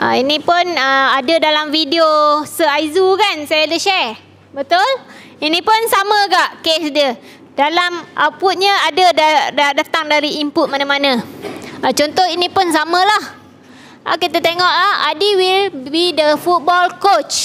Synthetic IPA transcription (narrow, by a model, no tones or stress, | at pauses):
ʔa̰inĩpʊnəadədalamfidiosəaizukansajadəʃɛr | bət̪ʊl | inĩpʊnsamə̃ɡaʔkesdə | d̥alamʔaput̪̚ɲəadədadadat̪aŋdaɾiimput̪̚manamanə | at͡ʃɔnt̪ɔhinĩpʊns̬amə̃lah | ʔa̰kit̪at̪eŋɔʔlahadiwilbidəfut̪̚bɔlkot͡ʃ